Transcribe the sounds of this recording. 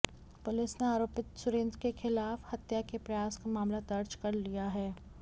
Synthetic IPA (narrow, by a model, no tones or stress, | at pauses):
pʊlɪsneaːɾoːpɪt̪sʊɾẽnt̪kexɪlaːfhɐt̪jakepɾɐjaːskamaːmlad̪ɐɾd͡ʒkɐɾlijaɦɛː